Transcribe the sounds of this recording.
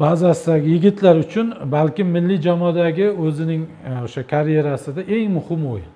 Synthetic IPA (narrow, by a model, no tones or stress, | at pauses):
bazasɪd̪aɡʲɪjɪɡʲɪt̪ʰlaɾʊt͡ʃʰʊnbalkʲɪmːɪlːɪd͡ʒamɒd̪aɡʲɪɵzɪnɪŋ | oʃakʰaɾje̞ɾasɪd̪aʔe̞ŋmʊhɪmo̰j